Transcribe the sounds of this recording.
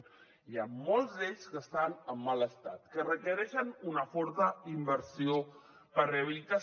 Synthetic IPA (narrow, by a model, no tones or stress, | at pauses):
iaːɔlˠzd̪eʎskəst̪anəmːaləst̪at̪kərəkəɾɛʃənunəfɔɾt̪əimbəɾsio | pəɾreəβilit̪a